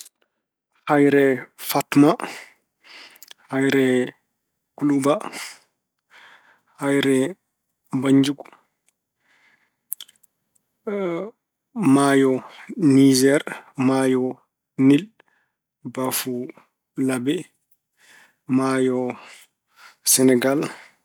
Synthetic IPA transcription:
hajɾɛfatma | hajɾɛ | kuluba | hajɾɛ | baɲd͡ʒuɡ | majɔnid͡ʒɛɾmaːjɔ | nil | bafu | labɛ | majɔ | sɛnɛɡal

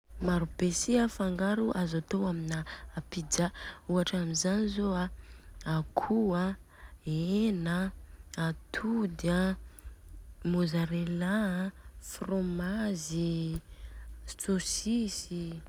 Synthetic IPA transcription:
maɾupesiafaŋɡaɾuʔazat̪oaminaapid͡ʒauaʈ͡ʂamizanizoaakʰua | enəat̪ʰud̪a | mozaɾela | fromazi | t͡sosisi

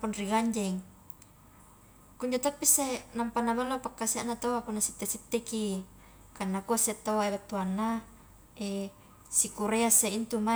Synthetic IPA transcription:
punriɡaɲd͡ʒɛŋ | kuɲd͡ʒot̪apːisenampanabalːopakːasiaʔnat̪owakunːasit̪ːesit̪ːeki | kanːakoset̪ːowaebat̪ːuanːa | ʔe | sikuɾeaseint̪uma

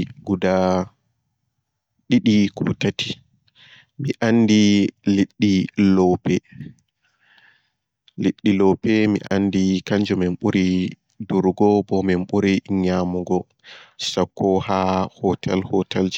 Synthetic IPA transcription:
ɡuda | ɗiɗikʰɔ̰tati̥ | miʔanːdiliɗːilɔpɛ | liɗːilɔpɛmḭʔanːdikaɲd͡ʒɔmɛnɓuɾi | duɾɡɔbɔmɛnɓuɾiɲamuɡɔ | sakːɔhahɔtʰɛlhɔtʰald͡ʒ

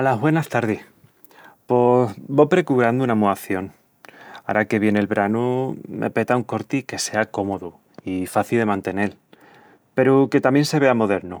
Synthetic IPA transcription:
alaɦβwe̞nast̪aɾðih | posbo̞pɾe̞kuβɾand̪uunamuaθjo̞ŋ | a̰ɾake̞βje̞ne̞lβɾanumʔḛpe̞t̪auŋko̞ɾt̪ike̞se̞ako̞mo̞ðu | ifaθilðe̞mãnt̪e̞ne̞l | pe̞ɾuke̞t̪amje̞nse̞βe̞amo̞ðe̞ɾnu

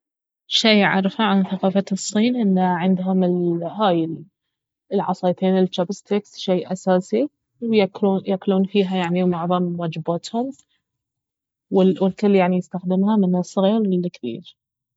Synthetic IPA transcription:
ʃijʕɑ̰ɾˤfaʕanθaqɑːfasˤːiːnʔɪnːaʕɪnd̪ɦʊmɪlhaːjɪl | lʕɑ̰sˤɑːt̪eːnɪlt͡ʃːabɪst̪eksʃeːʔasaːsi | wjjakluːnfiːɦajaʕniwmaʕðˤɑmwaːd͡ʒɪbaːt̪hʊm | wɪwɪlkʊlːjaʕnijɪst̪axd̪ɪmhamɪnasˤɑɣiːɾɪlːɪkθḭːd͡ʒ

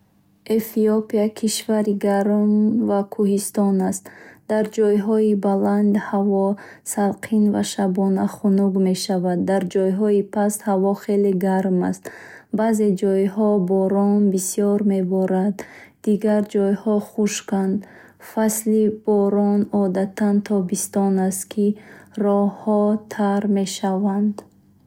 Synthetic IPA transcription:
efiopiakʰiʃvaɾiɡaɾmvakʰuhist̪ɔnast̪d̪̥aɾd͡ʒɔjɦɔibaland̪havɔsalqʰinva̰ʃabɔnaχunuɡme̞ʃavad̪ːaɾd͡ʒɔjɦɔipʰashavɔχe̞leɡaɾma̰st̪ | baze̞d͡ʒɔjhɔbɔɾɔnbisiɔɾme̞bɔɾad̪ː | iɡaɾd͡ʒɔjhɔχuʃkand̪ | faslib̥ɔɾɔnɔd̪at̪ʰant̪ʰɔbist̪ɔnast̪kʰirɔhɔt̪ʰaɾme̞ʃavand̪

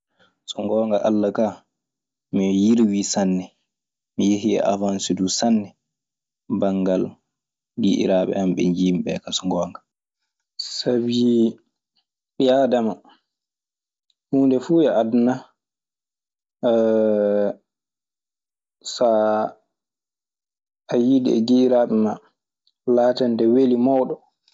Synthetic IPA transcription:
sɔŋɡɔːŋɡaʔa̰lːakaː | mijiɾwiːsanːɛ | mijeɦiɛ̰ʔa̰vansudusanːɛ | baŋɡal | ɡḭʔḭɾaɓɛ̰hamɓɛ̰ɲd͡ʒiːmɓɛ̰kasɔŋɡɔːŋɡa | sabi | ɓiadama | huːndɛfuɛaduna | sa | ajidiɛ̰ɡiʔiɾaːɓɛma | laːtɛndɛwelimawɗɔ

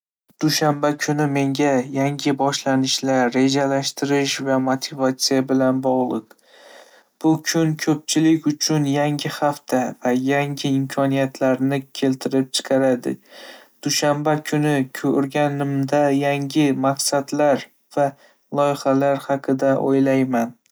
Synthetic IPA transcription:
d̪̥uʃambakʲʰʊnɪme̞ŋɡʲajaŋɡʲɪbɒʃlanɪʃlaɾːe̞d͡ʒalaʃt̪ɪɾɪʃvamot̪ʰɪvat̪sijabɪlanbɒʁlˠɨq | b̥ʊkʲʰʊŋkʲʰɵp̚t͡ʃʰɪlɪkʲʊt͡ʃʰʊnjaŋɡʲɪhaft̪ʰavajaŋɡʲɪɪmkʲʰɒnijat̪ʰlaɾnɪkʲʰe̞lt̪ʰɪɾɪp̚t͡ʃʰɨ̥qʰɑɾad̪ɪ̰ | d̪̥ʊʃambakʲʰʊnɪkʲʰoɾɡʲanɪmd̪ajaŋɡʲɪmaqsad̪laɾ | v̥a | lˠɒjɪχalaɾhɑqʰɨd̪aʔo̰jlajman

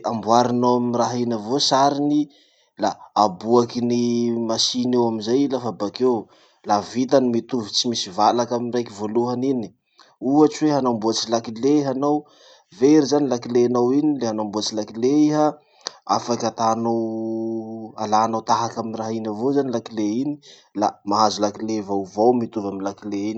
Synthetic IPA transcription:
ambwaɾinoamiraɦinəvosaɾini | laːbuakinimasinewamizajlafabakew | lavit̪̬animit̪uvit͡simisivalakamirajkivoluɦanini̥ | uat͡ʃiweɦanambuat͡silakileɦanow | veɾizanilakileanawinileɦanambuat͡silakileiɦa | a̰fakʲat̪anow | alanawt̪aɦakaminraɦinavozanilakileini̥ | la̰maɦazulakilevavowmit̪uvaminlakileini

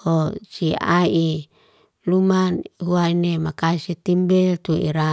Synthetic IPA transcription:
hosia̰i | lumanɦuainemakasit̪imbɛlt̪uḭɾa

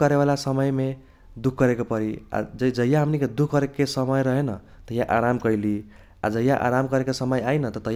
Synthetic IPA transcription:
ʌɾewalasʌmʌjme | d̪ukʰɡʌɾekopʌɾia̰d͡zʌd͡zʌjãɦʌmnikʌd̪ukʰɡʌɾekkesʌmʌjɾʌɦenʌ | t̪ʌjãʔaɾamkʌjli | a̰d͡zʌjãʔa̰ɾamkʌɾekosʌmʌjajnʌt̪ʌt̪ʌ

